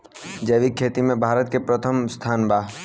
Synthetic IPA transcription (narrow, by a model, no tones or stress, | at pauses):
d͡ʒɐːʋikʰːeːt̪imẽbʱaːɾət̪̚kepɾət̪ʰəmst̪ʰaːnbaː